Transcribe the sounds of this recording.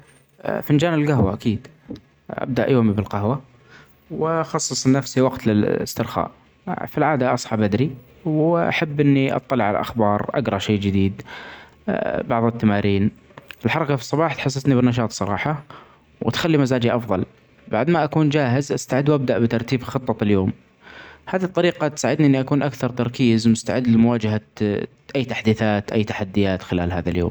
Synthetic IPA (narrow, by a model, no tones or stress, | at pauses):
fɪnd͡ʒaːnɪlɡaɦwa̰ʔakiːd̪ | ʔa̰b̚d̪aʔjoːmibɪlqahwa | wxɑsˤːɨsˤnːafsiwɑqt̪lɪɪst̪ɪɾxa̰ːʔ | filʕaːd̪aʔɑsˤħɑbʔad̪ɾi | wʔa̰ħabːʔɪnːiʔɑ̰t̪ˤːɑlɪʕala̰ʔa̰xbɑːɾˤʔa̰ɡɾˤɑʃeːd͡ʒɪd̪iːd̪ | bɑʕðˤɨt̪ːamaːɾiːn | ɪlħɑɾˤɑkafi̥sˤːɑbɑːħt̪ħas̬ːat̪nibɪnːɑʃ̬ɑːt̪sˤɑɾˤɑ̰ːħɑ | wʔɪt̪xalːimazaːd͡ʒiʔɑfðˤɑl | baʕd̪maʔakuːnd͡ʒaːɦɪzʔast̪aʕɪd̪ːwʔab̚d̪aʔbɪt̪ɑɾˤt̪iːbxɨt̪ˤːɑljoːm | haːðit̪ˤːɑɾiːqɑt̪saːʕɪd̪niʔɪnːiʔakuːnʔakθɑɾˤt̪ɑɾˤkiːzmʊst̪aʕɪd̪ːlɪmʊwaːd͡ʒaɦa | ʔajːt̪aħd̪iːθaːt̪ʔajt̪aħad̪ːɪjaːt̪xɪlaːlɦa̰ːðaljo̰ːm